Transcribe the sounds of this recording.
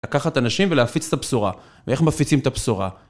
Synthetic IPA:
lakaχat̪anaʃimveleafit͡se̥t̪apsuʁa | vee̞χmafit͡simt̪apsuʁa̰

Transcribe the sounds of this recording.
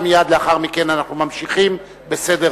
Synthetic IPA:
mijad̪leaχaʁmike̞nanaχnumamʃiχim | bese̞de

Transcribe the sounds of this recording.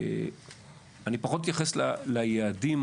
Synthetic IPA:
anipaχo̞t̪̬jaχeslalajeːdim

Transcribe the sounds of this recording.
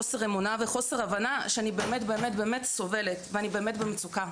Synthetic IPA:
oseʁemunaveχo̞se̞ʁavanaʃeanibe̞eːmetbe̞ːmetbe̞ːmetso̞ve̞letveanibe̞eːmetbemet͡suka

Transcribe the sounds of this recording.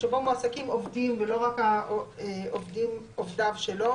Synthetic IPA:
ʃebomuasakimovdimvelo̞ʁakaoovdim | ovd̪avʃelo̞

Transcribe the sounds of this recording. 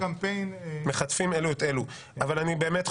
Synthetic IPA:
ampejnme̞χat̪fimeluet̪e̞lu | avalanibe̞ːmet̪

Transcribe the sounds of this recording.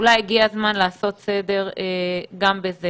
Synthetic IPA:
ulajiɡiazmanlaːso̞t̪sed̪e̞ʁeɡambeze

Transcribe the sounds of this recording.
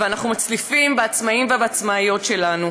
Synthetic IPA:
veanaχnumat͡slifimbeat͡smaimvebeat͡smaːjo̞tʃe̞lanu

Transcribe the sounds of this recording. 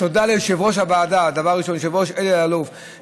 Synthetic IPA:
t̪od̪aleʃevʁoʃhabaːd̪ad̪avaʁʁiʃo̞nʃevʁoʃelealuf

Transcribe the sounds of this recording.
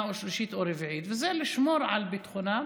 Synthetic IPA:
oʃliʃit̪oɾevʕit̪vezeliʃmoɾʕalbit̪χuna

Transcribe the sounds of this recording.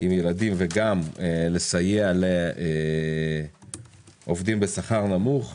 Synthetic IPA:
imjeladimveɡamele̞sajealee | ʔo̞vd̪imbesaχaʁnamuχ

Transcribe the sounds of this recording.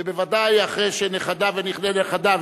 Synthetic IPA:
ebevad̪ajaχʁejʃeneχad̪aveniχneleχad̪av

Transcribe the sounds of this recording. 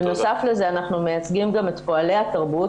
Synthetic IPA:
no̞safleze̞anaχnume̞jat͡sɡimɡame̞t̪po̞ale̞jhat̪aʁbu

